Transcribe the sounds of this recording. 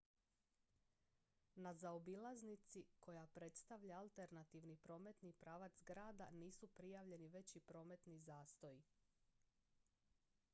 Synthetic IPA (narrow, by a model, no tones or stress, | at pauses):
nazaobilˠaznit̪sikʰo̞japɾe̞t̪st̪aʋʎaːlˠt̪e̞ɾnat̪iʋnipɾo̞ːme̞t̪nipɾaːʋat̪zɡɾaːd̪aniːsupɾijaʋʎe̞niʋe̞t͡ɕipɾo̞ːme̞t̪nizaːst̪oji